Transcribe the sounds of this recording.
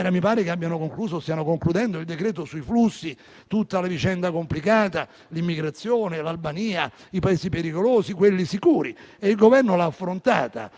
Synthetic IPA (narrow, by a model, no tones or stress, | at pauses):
ɾamipaːɾekabːjanokoŋkluːzost̪ianokoŋklud̪ɛnd̪oild̪ekɾɛːt̪osuiflusːi | t̪ut̪ːalavit͡ʃɛnd̪akomplikaːt̪a | limːiɡɾat̪sːjoːnelalbaniːa | ipaeːszipeɾikoloːsikwelːisikuːɾieilɡovɛrnolaːfːɾont̪a̰ːt̪a̰